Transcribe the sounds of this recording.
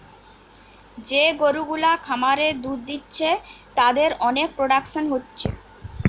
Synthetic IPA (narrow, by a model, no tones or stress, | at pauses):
d͡ʑeɡoɾuɡulakʰamaɾed̪ud̪d̪itːɕʰet̪ad̪eɾɔnek̚pɾoɖakʃonɦotːɕʰḛ